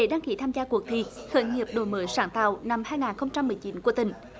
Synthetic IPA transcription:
ḛ˧˦ɗaː˧ŋkḭ˧˦t̪ʰaː˧mzaː˧ku˨˩ək̚t̪ʰi˨˩xəː˨˦jŋi˨˩əp̚ɗo˨˩jməː˨˦jsaː˧˩˦ŋt̪a̰ː˧˨wna˧mhaː˧jŋaː˨˩nxə˧wŋ͡mt͡ɕa˧mːɨ˨˩əjt͡ɕi˨˦nku˧˩ət̪ï˨˩ŋ̟

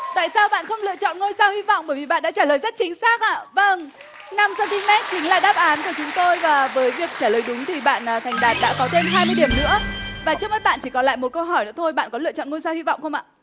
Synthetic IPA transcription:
t̪a̰ː˧˨jsaː˧wɓa̰ː˧˨nxə˧wŋ͡mlɨ̰˧˨ət͡ɕɔ̰˧˨nŋo˧jsaː˧whi˧vɔ̰˧˨wŋ͡mɓəː˧˩jvi˨˩ɓa̰ː˧˨nɗa̰ː˧˥t͡ɕaː˧˩ləː˨˩jzə˦˥t̚t͡ɕï˨˦ŋ̟saː˦˥k̚ʔa̰ː˧˨və˧ŋ | na˧msɔ˧nt̪ʰi˧ŋmɛ˦˥t̚t͡ɕï˨˦ŋ̟laː˨˩ɗaː˦˥p̚ʔaː˨˦nku˧˩ət͡ɕʊ˨˦ŋ͡mt̪o˧jvaː˨˩vəː˨˦jvi˨˩ək̚t͡ɕaː˧˩ləː˨˩jɗʊ˨˦ŋ͡mt̪ʰi˨˩ɓa̰ː˧˨nʔəː˨˩t̪ʰa˨˩jŋ̟ɗaː˨˩t̚ɗa̰ː˧˥kɔ˨˦t̪ʰe˧mɦaː˧jmɨ˧əjɗi˨˩əmnɨ̰˧˥əvaː˨˩t͡ɕɨ˦˥k̚mə˨˦jɓa̰ː˧˨nt͡ɕi˧˩kɔ˨˦la̰ː˧˨jmo˨˩t̚kə˧wɦɔ˧˩jnɨ̰˧˥ət̪ʰo˧jɓa̰ː˧˨nkɔ˨˦lɨ̰˧ət͡ɕɔ̰˧˨nŋo˧jsaː˧whi˧vɔ̰˧˨ŋ͡mxə˧wŋ͡mʔa̰ː˧˨

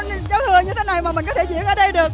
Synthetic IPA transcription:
zaː˨˦wt̪ʰɨ˧əɲɨ˧t̪ʰe˨˦na˨˩jmaː˨˩mï˨˩ŋ̟kɔ˨˦t̪ʰe˧˩zḭ˧˥ənʔəː˧˩ɗə˧jɗɨ˨˩ək̚

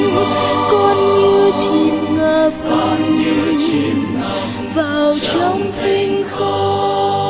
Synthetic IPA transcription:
kɔ˧nɲɨ˧t͡ɕi˨˩nŋəː˨˩p | vaː˨˩wt͡ɕɔ˧wŋ͡mt̪ʰi˧ŋxo˧

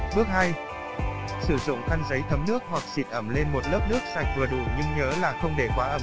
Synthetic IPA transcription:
ɓɨ˦˥ək̚ha˧j | sɨ˧˩zʊ̰˧˨ŋ͡mxʰa˧nzə˨˦jt̪ʰə˨˦mnɨ˦˥ək̚hwa˨˩k̚sḭ˧˩t̚ʔə˧˩mle˧nmo˨˩t̚ləː˦˥p̚nɨ˦˥ək̚sa˨˩jŋ̚vɨ˨˩əɗu˨˧˩ɲɨ˧ŋɲəː˨˦laː˨˩xə˧wŋ͡mɗe˧˩kwaː˨˦ʔəː˧˩m

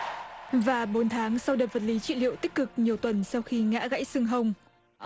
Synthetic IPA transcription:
vaː˨˩ɓo˨˦nt̪ʰaː˨˦ŋsa˧wɗəː˨˩və˨˩t̚li˨˦t͡ɕḭ˧˨lḭ˧˨ə˨wt̪i˦˥k̚kɨ˨˩k̚ɲi˨˩əwt̪wə˨˩nsa˧wxi˧ŋa̰ː˧˥ɣa̰˧˥jsɨ˧əŋɦə˧wŋ͡m

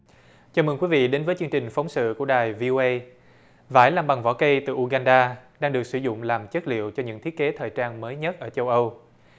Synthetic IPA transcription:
t͡ɕaː˧˩mɨ˧ŋkwi˨˦vḭ˧˨ɗe˨˦nvəː˨˦jt͡ɕɨ˧əŋt͡ɕï˨˩ŋ̟fə˨˦wŋ͡msɨ̰˧˨ku˧˩əɗaː˨˩jvi˧ʔo˧ʔə˧j | va̰ː˧˩jlaː˨˩mɓa˨˩ŋvɔ̰˧˩kə˧jt̪ɨ˨˩ʔu˧ɣaː˧nɗaː˧ɗaː˧ŋɗɨ˨˩ək̚sɨ˧˩zʊ̰˧˨ŋ͡mlaː˨˩mt͡ɕə˦˥t̚lḭ˧˨əwt͡ɕɔ˧ɲɨ̰˧˥ŋt̪ʰi˦˥t̚ke˨˦t̪ʰəː˨˩jt͡ɕaː˧nməː˨˦jɲə˦˥t̚ʔəː˧˩t͡ɕə˧wʔə˧w

